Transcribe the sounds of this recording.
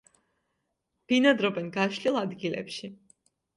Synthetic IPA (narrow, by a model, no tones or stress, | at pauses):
b̥inad̪ɾɔbɛnɡaʃlilˠad̪ɡilɛ̰pʃi